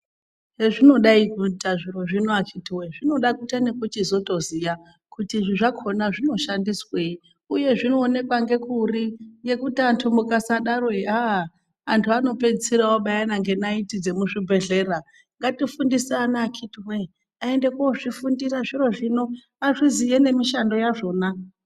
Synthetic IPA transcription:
ɦe̞ʐino̞ɗaikutaʐiro̞ʐinoakʰitiweʐino̞ɗakutanekutizo̞to̞zija | kutiʐiʐakʰo̞naʐino̞ʃandiswei | uje̞ʐinoːne̞kwaŋɡe̞kurije̞kutiantʰumukasaɗaroia | antʰuano̞pe̞d͡zt͡sirawoɓajanaŋɡe̞naitid͡ze̞muʐibʱe̞ɮe̞ːra | ŋɡatifundisanaːkʰitiwe | ae̞nde̞koʐifundiraʐiro̞ʐino̞ | aʐizijene̞miʃando̞jaʐo̞ːna

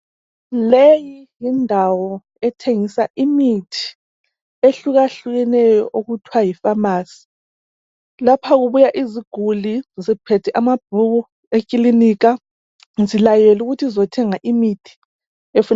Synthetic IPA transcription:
lejijindʱawɔ | ɛtʰeŋisaʔimitʰi̥ | eɬuɣaɬuɣɛnɛjɔ̰ʔoɣutʰwajifamaːsi̥ | lapʰaɣuβujaʔiziɡ̥ʱulizipʰɛtʰɛʔamab̥̚ʱuu | ekʼilinik̬a | zilajɛluɣutʰizɔtʰɛŋaʔimitʰi̥ | efun

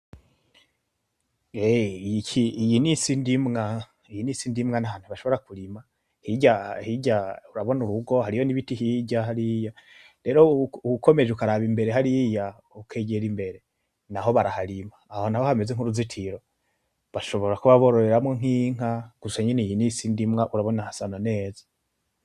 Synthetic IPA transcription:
ejicʰiːjinisindimŋa | ijinisindimŋanaɦaːn̥uβaʃo̞βo̞ɾakuɾima | hiɟahiɟauɾaβo̞nuɾuɡo̞haɾijo̞niβitihiɟaɦaɾija | ɾe̞ɾo̞uukʰo̞me̞ʒukaɾaβimbe̞ɾe̞ɦaɾija | ukʰeɟeɾimbe̞ɾe̞ | naɦo̞βaɾahaɾimaːho̞naho̞hame̞zeŋuɾuzitʰiɾo̞ | βaʃo̞βo̞ɾakuβaβo̞ɾoɾeɾamŋoŋ̥iːŋ̥aɡ̥usaɲenejinisindimŋaʔuɾaβo̞nahasanane̞ːzḁ

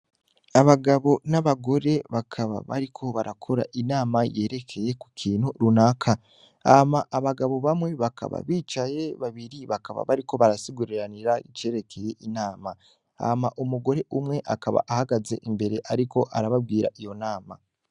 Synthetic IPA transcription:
aβaɡaβo̞naβaɡo̞ɾe̞βakʰaβa̰βa̰ɾikʰo̞βaɾakʰo̞ɾa̰ʔinaːmaje̞ːɾe̞kʰe̞je̞kukʰiːnhuɾunakʰa | amaʔːβaɡaβo̞βamwe̞βakʰa̰βa̰βiːt͡ʃaje̞βaβiɾiβakaβa̰βaɾiko̞βaɾasiɡuɾiɾaniɾait͡ʃe̞ːɾe̞kʰe̞je̞ʔinaːma | a̰maʔumuɡo̞ɾe̞ʔumŋe̞ʔakaβa̰ʔahaɡaze̞̰ʔimbe̞ɾe̞ʔaɾiko̞ʔaɾaβabɡiːɾa̰ʔijo̞naːma

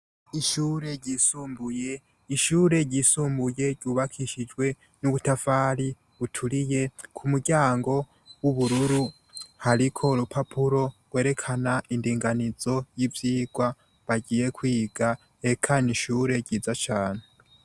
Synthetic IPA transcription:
iʃuːɾe̞ɟɟisuːmbuje̞ | iʃuːɾe̞ɟisuːmbuje̞ɟuβakʰiʃid͡ʒɡwe̞ | nuɡutafaɾi | utʰuɾije̞kʰumuɟaːŋɡo̞ | wuβuɾuɾu | haɾikʰo̞ɾupʰapʰuɾo̞ɡwe̞ːɾe̞kʰanaʔindiːŋɡanizo̞jivjiːɡ̥wa | βaɟiːje̞kwiːɡa | ekʰaniʃuːɾe̞ɟiːzat͡ʃaːne

